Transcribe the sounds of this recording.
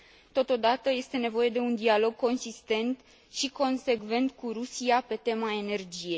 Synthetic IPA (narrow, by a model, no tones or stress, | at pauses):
t̪o̞t̪o̞d̪at̪əje̞st̪e̞ne̞vo̞je̞d̪e̞und̪ialo̞ɡ̚ko̞nsist̪e̞nt̪ | ʃiko̞nse̞ɡve̞nt̪kuɾusiape̞t̪e̞mae̞ne̞rd͡ʒije̞